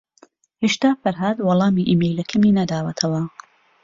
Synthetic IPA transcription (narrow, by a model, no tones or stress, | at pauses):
heʃt̪aːfɐɾɦad̪wɑlˠɑːmiʔiːmejlɐkʰɐmiːnɐd̪aːwɐt̪ʰɐwɐ